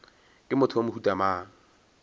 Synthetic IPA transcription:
kʼɪmʊtʰʊomʊhutʼamaːŋ̩

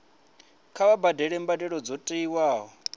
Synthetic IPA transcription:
kʰaβabadɛɺɛmbadɛɺɔd͡zɔtʼiiwaːɦɔ

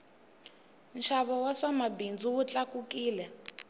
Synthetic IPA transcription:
nʃaβɔwasamabind͡zuwut͡ɬakukiːlɛ

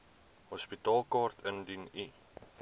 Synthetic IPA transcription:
hɔspitɑːlˠkɑːrtʰəndini

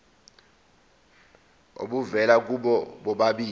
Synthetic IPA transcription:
o̰ɓuvɛlak̬uɓɔɓɔɓaɓiː

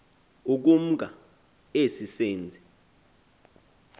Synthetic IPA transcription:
uk̬um̩k̬a̰ | esiseːnd͡zʱɛ

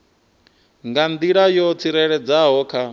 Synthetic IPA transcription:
ŋɡand̪iɺajɔt͡sʰiɾɛɺɛd͡zaɦɔːkʰa

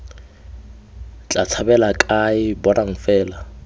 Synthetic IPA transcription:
t͡ɬʼat͡sʰabɛlakʼaɪbɔnaŋ̩fɛːla

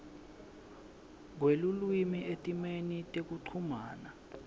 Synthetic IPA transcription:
ŋ̬welulwimiʔetʼimenitʼek̬uǀʰumaːna

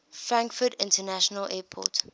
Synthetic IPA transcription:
fɹãŋkfətɪ̰̃ntənæʃənəlʔɛːpʰɔ̰t

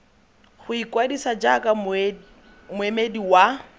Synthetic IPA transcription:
χʊikwadisad͡ʒakʼa | mʊemediwa

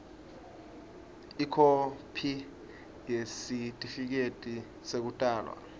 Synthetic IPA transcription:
ikʰopʰi | jesitʼifik̬etʼi | sek̬utʼaːlwa̰

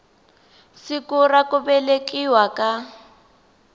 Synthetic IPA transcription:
sikurakubɛlekiwaka

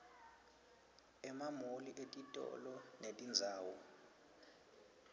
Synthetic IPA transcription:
ɛmamoliʔetʼitʼɔ̰lɔnetʼind͡zʱaːwɔ

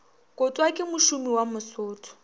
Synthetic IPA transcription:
kʼʊtʼwakʼɪmʊʃumiwamʊsʊːtʰʼɔ̥

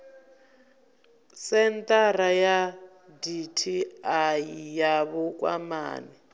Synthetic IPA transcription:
sɛnt̪ʼaɾaja | ditʰiaijaβɔkʼwa̰ma̰ːni

